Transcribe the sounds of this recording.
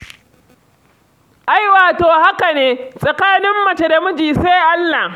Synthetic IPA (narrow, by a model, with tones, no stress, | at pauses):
ʔa˦jwaː˨toː˨ha˦ka˨neː˦sʼɐ˨kaː˦nɪ˦mːɐ˨t͡ʃe˦da˨mʊ˦d͡ʒiː˨seː˦ʔa˦lːa˨h